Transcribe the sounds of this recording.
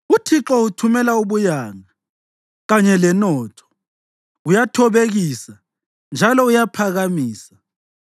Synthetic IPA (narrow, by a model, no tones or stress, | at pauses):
utʰiǁɔutʰumɛlauβujaŋa | ɣaɲɛlɛnɔtʰɔ̥ | ujatʰɔβeɣisa | nd͡ʒʱalɔujapʰaɣamiːsḁ